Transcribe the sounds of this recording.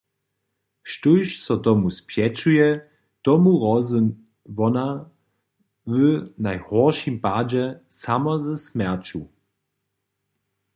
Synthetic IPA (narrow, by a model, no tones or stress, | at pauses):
ʃtujʃsɔt̪ɔmuspjɛt͡ʃujɛ | t̪ɔmuʁɔzn | vɔna | vənajhɔʁʃimpad͡ʑɛsamɔzɛsmɛʁt͡ɕu